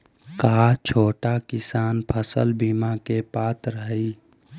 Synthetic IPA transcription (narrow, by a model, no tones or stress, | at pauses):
kaːt͡ʃʰoːʈakɪsaːnpʰəsə̰lbimakepaːt̪ɾəɦəi